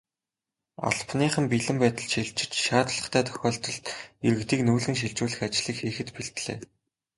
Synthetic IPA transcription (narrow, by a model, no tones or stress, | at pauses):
a̰ɮpniːχə̆mpiɮɘ̆mpæːt̪ə̆ɮʃiɮt͡ɕɪ̆t͡ɕʃaːt̪ɮə̆χt̪ʰæːt̪ʰœ̥xʲɔːɬt̪ɞ̆ɮt̪eɾɘ̆kt̪iːknuːɮɘ̆ŋʃ̬iɮt͡ɕuːɮɘ̆xat͡ɕɮiːkxiːxɘ̆t̪piɬt̪ɮḛː